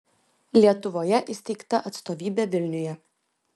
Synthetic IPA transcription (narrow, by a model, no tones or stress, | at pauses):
lʲiɛt̪ʊʋoːjɛʔɪsʲt̪ʲɛɪkt̪ɐʔɐt̪st̪oːʋʲiːbʲeːʋʲɪlʲnʲʊjɛ